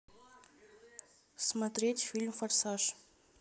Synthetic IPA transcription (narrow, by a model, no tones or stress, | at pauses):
smɐt̪ɾʲetʲfʲilʲmfɐrsaʂ